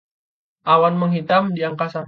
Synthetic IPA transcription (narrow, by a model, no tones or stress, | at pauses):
ʔawanməŋɦit̪amdiaŋkasa